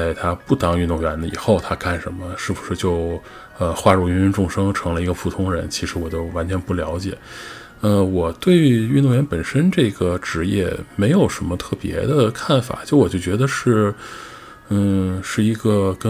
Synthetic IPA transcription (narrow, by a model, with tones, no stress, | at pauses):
a˥˩ɪt̪ʰa˥pu˥˩t̪ɑ˥˩ŋy˥˧nd̪ʊ˥˩ŋɥɛ˧˥nlə˧ḭ˨˩xo˥˩ʊt̪ʰa˥ka˥˩nʂə˧˥nmə˧ʂɻ̩˥˩pʰu˨˩ʂɻ̩˥˧t͡ɕjo˥˧ʊ | ə˧xwa˥˧ɻu˥˩y˧˥ny˧˥nʈ͡ʂʊ˥˩ŋʂɤ˥ŋʈ͡ʂʰɤ˧˥ŋlə˧i˧˥ɡə˧pʰu˥˩t̪ʰʊ˥ŋɻə˧˥nt͡ɕʰi˧˥ʂɻ̩˧˥wɔ˨˩t͡ɕjo˥˩ʊwa˧˥nt͡ɕʰɥɛ˧˥npu˥˩ljɑ˧˥ʊt͡ɕjɛ̰˨˩˦ | ə˧˩wɔ˨˩t̪we˥˩ɪy˧˥y˥˧t̪ʊ˥˧ŋɥɛ˧˥npə˨˩nʂə˥nʈ͡ʂɤ˥˩ɡə˩ʈ͡ʂɻ̩˧˥jɛ̰˥˩me˧˥ɪjo˨˩ʊʂə˧˥nmə˧t̪ʰɤ˥˩pjɛ̰˧˥d̪ə˧kʰa˥˩nfa̰˨˩t͡ɕjo˥˧ʊwɔ˨˩t͡ɕjo˥˩ʊt͡ɕɥɛ˧˥d̪ə˧ʂɻ̩˥˩˥ | ʂɻ̩˥˩i˧˥ɡə˧kə˥